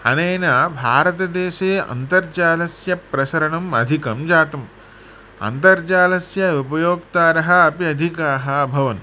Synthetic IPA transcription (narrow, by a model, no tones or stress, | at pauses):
hɐ̰neːnɐbʱaːɾɐt̪̬ɐd̪eːʃeːɐ̰nt̪ɐɾt͡ʃaːlɐsjɐpɾɐsɐɾɐɳɐmɐ̰d̪ʱikɐmd͡ʒaːt̪ɐm | ɐ̰nt̪ɐɾt͡ʃaːlɐsjɐupɐjoːkt̪aːɾɐɦɐ̆ɐpiɐd̪ʱikaːɦɐɐbʱɐʋɐn